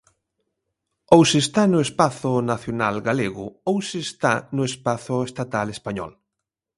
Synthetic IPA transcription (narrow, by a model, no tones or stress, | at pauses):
owsest̪anʊespaθʊnaθjonalɡaleɣʊowsest̪anʊespaθʊest̪at̪alespaɲɔ̰l